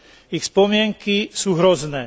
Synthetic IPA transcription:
ixspɔmɪɛŋkisuːɦɾɔznɛː

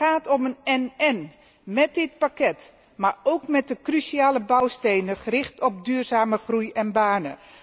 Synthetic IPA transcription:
aːtɔmənɛnɛn | mɛt̚dɪt̚pakɛt | marowkmɛt̚dəkrysiaːləbawstejnəχərɪxtɔp̚dyːrzaːməχrujɛnbaːnə

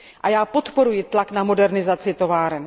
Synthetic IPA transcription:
ʔajaːpo̞t̪po̞ɾujɪt̪laknamo̞dɛɾnɪzat͡sɪt̪o̞vaːɾɛn

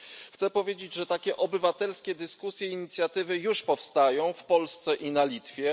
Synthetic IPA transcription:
xt̪sɛpɔvʲjed͡ʑed͡ʑʐɛt̪akʲɛʔɔbɘvat̪ɛlskʲɛd̪ɘskusʲjɛiɲit̪sʲjat̪ɘvɘjuʂpɔfst̪ajɔ̃w̃fpɔlst̪sɛʔinalʲit̪fʲjɛ

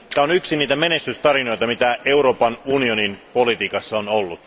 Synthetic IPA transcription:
æonyksiniːt̪æmene̞st̪yst̪ɑrino̞jt̪ɑmit̪æe̞uɾo̞ːpɑnunio̞ninpolit̪iːkɑsːɑonolːut̪

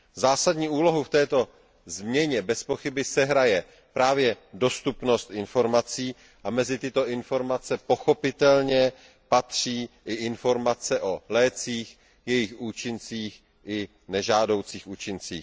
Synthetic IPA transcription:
zaːsadɲiːʔuːlo̞ɦuft̪ɛːt̪o̞ | zmɲɛɲɛbɛspo̞xɪbɪsɛɦɾajɛ | pɾaːvjɛdo̞st̪upno̞st̪ʔɪnfo̞ɾmat͡siː | ʔamɛzɪt̪ɪt̪o̞ʔɪnfo̞ɾmat͡sɛpo̞xo̞pɪt̪ɛlɲɛ | pat̪r̝̥iːʔɪʔɪnfo̞ɾmat͡sɛʔo̞lɛːt͡siːx | jɛjɪxʔuːt͡ʃɪnt͡siːx | ʔɪ | nɛʒaːdo̞wt͡siːxʔuːt͡ʃɪnt͡sḭː

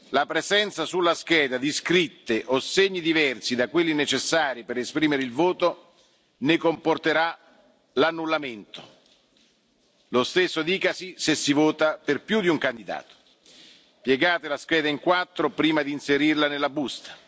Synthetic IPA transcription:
lapɾezɛnt̪sasulːask̟ɛːd̪ad̪iskɾit̪ːeʔoseɲːid̪ivɛrsid̪akwelːinet͡ʃesːaːɾipeɾespɾiːmeɾeilvoːt̪o | nekomport̪eɾa | lanːulːament̪o̥ | lost̪esːod̪iːkasisesːivoːt̪aperpjud̪iuŋkand̪id̪a̰ːt̪o̥ | pjɛɡaːt̪elask̟ɛːd̪aiŋkwat̪ːɾopɾiːmad̪iːnseɾirlanelːabust̪ḁ

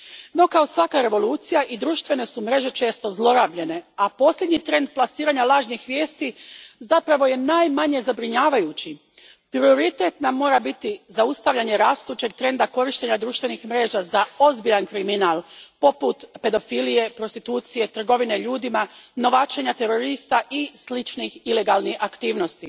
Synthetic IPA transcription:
no̞kao̞sʋakaɾe̞ʋo̞lˠuːt̪sijaʔid̪ɾuːʃt̪ʋe̞ne̞sumɾe̞ʒe̞t͡ʃe̞ːst̪o̞zlˠo̞ɾabʎe̞ne̞apo̞sʎʲe̞d̪ɲit̪ɾe̞nd̪̚plasiːɾaɲalˠaːʒɲixʋjeːst̪izapɾaʋo̞je̞naːjmaɲe̞zabɾiɲaːʋajut͡ɕi | pɾio̞ɾit̪et̪namːo̞ːɾabit̪izaust̪aʋʎʲaɲe̞ɾaːst̪uːt͡ʃe̞ɡ̚t̪ɾe̞nd̪ako̞ɾiʃt̪e̞ɲad̪ɾuːʃt̪ʋe̞nixmɾe̞ːʒazao̞zbiʎankɾiminaːlpo̞put̪pe̞d̪o̞filije̞pɾost̪it̪uːt̪sije̞t̪r̩ɡo̞ʋine̞ʎuːd̪imano̞ʋat͡ʃe̞ɲat̪e̞ɾo̞ɾist̪aʔislit͡ʃnixile̞ɡalniakt̪iːʋno̞st̪i

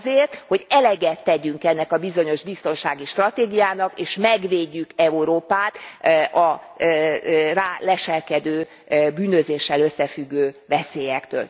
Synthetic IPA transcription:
zeːrt̪ho̞ɟɛlɛɡɛt̪ːɛɟyŋkɛnːɛkɒbizo̞ɲo̞ʒbist̪o̞nʃaːɡiʃt̪rɒt̪eːɡijaːnɒkeːʃmɛɡʋeːɟːykɛuɾoːpaːt̪ʔɒ | raːlɛʃɛlkɛd̪øː | byːnøzeːʃːɛløsːɛfyɡːøːvɛseːjɛkt̪ø̰ːl

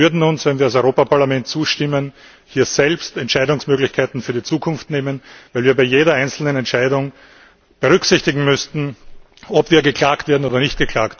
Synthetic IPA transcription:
ʏɐdn̩ʊnsvɛnviːɐasɔʏʁoːpapʰaɐlamɛnt̚t͡suːʃtɪmən | hiːɐz̥ɛlpstɛntʃæɪdʊŋsmøːɡlɪçkʰaɪtn̩fyːɐdit͡suːkʰʊnftneːmənvæɪlviːɐbaɪjeːɾɐaɪnt͡sl̩nənɛntt͡ʃæɪdʊŋ | b̥əʁʏksɪçtɪɡŋ̩mʏstn̩ | ɔpv̥iːɐɡəkʰl̥aːktv̥eːɐdn̩oːdɐnɪçtɡ̥əkʰl̥aːkt

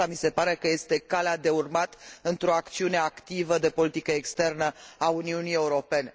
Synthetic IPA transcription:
amise̞paɾe̞kəje̞st̪e̞kalad̪e̞urmat̪ɨnt̪ɾo̞akt̪siune̞akt̪ivəd̪e̞po̞lit̪ikəekst̪e̞rnəauniunije̞uɾo̞pe̞ne

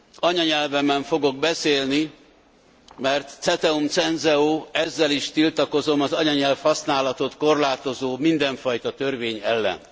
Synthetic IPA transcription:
ɒɲɒɲɛlvɛmɛɱfo̞ɡo̞ɡ̚bɛseːlni | mɛrt̪sɛt̪ɛumt̪sɛnzɛoːɛzːɛliʃt̪ilt̪ɒko̞zo̞mɒzɒɲɒɲɛlfhɒsnaːlɒt̪o̞t̪ko̞rlaːt̪o̞zoːmind̪ɛɱfɒjt̪ɒt̪ørveːɲɛlːɛ̰n

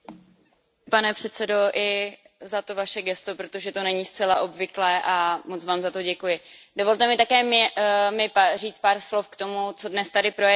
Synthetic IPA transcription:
panɛpr̥ɛt̪t͡sɛdo̞ʔɪ | zat̪o̞vaʃɛɡɛst̪opɾot̪o̞ʒɛt̪o̞nɛɲiːst͡sɛlaʔo̞bvɪklɛːʔamot͡svaːmzat̪o̞ɟɛkujɪdovo̞lt̪ɛmɪt̪akɛːmmɪpariːt͡st̪̚paːɾslo̞fkt̪o̞mut͡so̞dnɛst̪adɪpɾojɛ

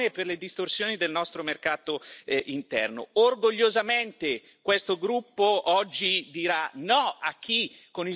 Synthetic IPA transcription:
eperled̪ist̪orsjoːnid̪elnɔst̪ɾomerkaːt̪oint̪ɛ̰rno̰orɡoʎːozament̪e | kwest̪oɡɾupːoɔd͡ʒːid̪iɾanɔak̟ːikːoni

